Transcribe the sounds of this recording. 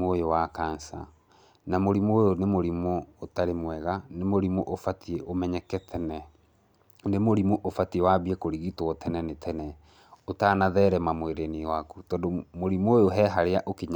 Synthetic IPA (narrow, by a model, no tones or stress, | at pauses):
ojowakaːnsa̰ | namoɾimojonemoɾimootaɾemwɛɣanemoɾimoʔofatieʔomɛɲɛkɛtʰɛnɛ | nemoɾimoʔofatiewaβiekoɾiɣitɔwɔtʰɛnɛnetʰɛnɛ | otaːnaðɛːɾɛmamweɾeniwakutɔːdomoɾimojoɦɛɦaɾeaʔokeɲ